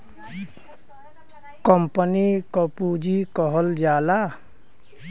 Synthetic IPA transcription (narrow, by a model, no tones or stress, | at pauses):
kɔmpənikɔpud͡ʒikɔɦɔld͡ʒaːla